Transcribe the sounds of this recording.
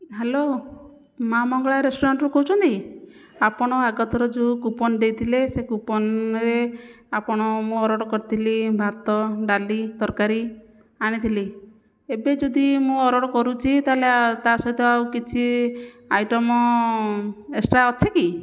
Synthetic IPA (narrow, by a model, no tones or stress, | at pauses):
ɦelo | mamɔŋɡɔɭaɾesʈoɾaɳʈɾukɔɦut͡ʃʰɔnt̪i | apɔɽ̃ɔaɡɔt̪ɔɾɔd͡ʒukupɔnd̪ejt̪ʰilesekupɔnɾe | apɔɽ̃ɔmũɔɾɔɽɔkɔɾit̪ʰilibʱaɾt̪ɔɖalid̪ɔɾkaɾi | aɽ̃it̪ʰili | ebed͡ʒɔd̪imũɔɾɔɽɔkɔɾut͡ʃʰit̪alet̪asɔjt̪ɔawkit͡ʃʰi | ajʈɔmɔ | esʈaɔt͡ʃʰeki